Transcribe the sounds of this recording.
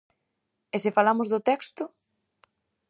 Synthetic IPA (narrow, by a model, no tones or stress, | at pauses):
esɪfalamʊzðʊt̪ɛkst̪ʊ